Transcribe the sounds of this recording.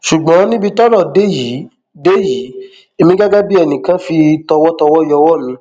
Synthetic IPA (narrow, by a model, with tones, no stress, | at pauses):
ʃu˨ɡ͡bã˨˦nĩ˦bi˧tɔ˦ɾɔ˦˨de˦ji˨˦ | de˦ji˨˦ | e˧mĩ˧ɡa˦ɡa˦bi˦ɛ˧˨nĩ˨kã˨˦fi˧tɔ˧wɔ˦tɔ˧wɔ˦˨jɔ˧wɔ˦˨mĩ˨˧˦